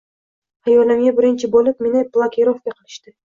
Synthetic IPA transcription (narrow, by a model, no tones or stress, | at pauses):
hajɒlamɡʲabɪɾɪnt͡ʃʰɪbolɪp̚menɪblˠakʲʰeɾofkʲaqʰɨlˠɪʃt̪ɪ